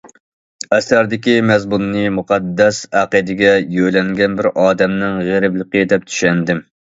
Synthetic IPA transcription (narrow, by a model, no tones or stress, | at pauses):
ɛsæɾd̪ɪkʲimɛzmunːɨmuqʰɑd̪ːɛsæqid̪ɪɡʲɛjøjlɛŋɡʲɛnbɪɾɑːd̪ɛmnɪŋʁeɾɪblˠəqəd̪ɛp̚t̪ʰy̥ʃɛnd̪ɪm